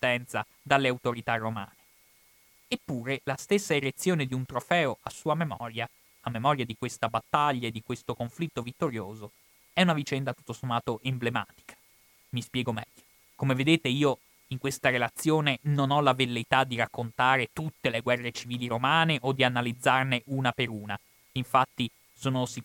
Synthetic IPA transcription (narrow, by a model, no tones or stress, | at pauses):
ist̪ɛnt̪sa | d̪alːeawt̪oɾit̪arːoma̰ːne̥ | epːuːɾelast̪esːaeɾet̪sːjoːned̪iunt̪ɾofɛːoʔasːuːamemɔ̰ːɾja | amːemɔɾjad̪ikwest̪abat̪ːaʎːaed̪ːikwest̪okoɱflit̪ːovit̪ːoɾjoːzo | ɛunavit͡ʃɛnd̪at̪u̥t̪ːosomːaːt̪oʔemblema̰ːt̪i̥kʰḁ | mispjɛːɡomɛʎːo̥ | komeved̪eːt̪eiːo | iŋkwest̪aɾelat̪sːjoːnenonɔlavelːet̪ad̪ːiɾakːont̪aːɾet̪ut̪ːeleɡwɛrːet͡ʃiviːliɾomaːneʔod̪ːianalid̪zːarneʔuːnapeɾuːna | iɱfat̪ːi | soːnosi